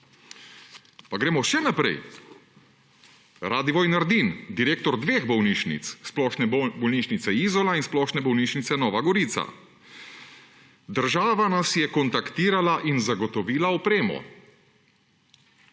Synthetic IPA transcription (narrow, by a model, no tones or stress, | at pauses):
paɡɾeːmɔʃɛnapɾɛ̰j | ɾaːd̪iʋɔːjnaɾd̪ind̪iɾeːkt̪ɔɾd̪ʋeːɣbɔwniːʃnḭt̪ssplɔʃnɛbɔlniːʃnit̪sɛiːzɔlainsplɔːʃnɛbɔwniːʃnit̪sɛnɔːʋaɡɔɾiːt̪sa̰ | d̪əɾʒaːʋanasjɛkɔnt̪akt̪iːɾalaʔinzaɡɔt̪ɔʋiːlaɔpɾeːmɔ̰